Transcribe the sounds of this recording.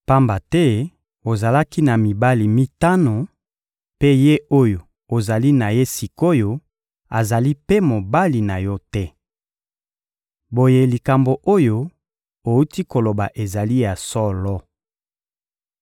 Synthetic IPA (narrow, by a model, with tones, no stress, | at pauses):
pa˦mba˨tɛ˦ | o˨za˨la˦ki˦na˨mi˨ba˦li˨mi˦ta˦no˨ | pe˦je˦o˦jo˨ | o˨za˨li˦na˨je˦si˨ko˦jo˨ | a˨za˨li˦pe˦mo˨ba˦li˨na˨jɔ˦tɛ˦ | bo˨je˦li˨ka˨mbo˨ʔo˦jo˦ | o˨u˦ti˦ko˨lo˨ba˨ʔe˨za˨li˦ja˨sɔ˦lɔ˦